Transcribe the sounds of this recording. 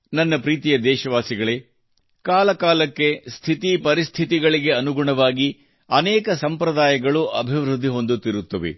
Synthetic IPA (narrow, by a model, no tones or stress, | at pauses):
nɐnːɐpɾiːt̪ijɐd̪ɛːʃɐʋaːsiɡɐɭeː | kaːlɐkaːlɐkːe̞st̪ʰit̪ipɐɾist̪ʰit̪iɡɐɭiɡe̞ɐnuɡuɳɐʋaːɡi | ɐnɛːkɐsɐmpɾɐd̪aːjɐɡɐɭuʔɐbʱiʋɾud̪ʱːiɦo̞nd̪ut̪ːiɾut̪ːɐʋḛ